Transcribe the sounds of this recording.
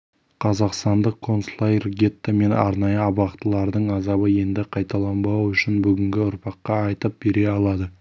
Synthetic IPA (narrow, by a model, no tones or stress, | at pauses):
qʰɑzɑqst̪ɑnd̪əqkʰːo̞nslˠajrɡʲe̞t̪ːame̞nɑ̰ɾnɑjəɑbɑqt̪əlˠɑɾd̪əɴɑzɑbəje̞nd̪ɪqʰɑjt̪ɑlˠɑmbɑwʏʃɪnbʏɡʲɪŋɡʲɪʊɾpʰɑqːɑɑjt̪əp̚b̥e̞ɾe̞ɑlˠɑd̪ə